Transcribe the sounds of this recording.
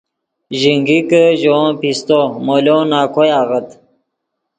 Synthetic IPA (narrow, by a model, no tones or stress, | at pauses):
ʑiŋɡikəʑopist̪omolonaːkʰojaːɣət̪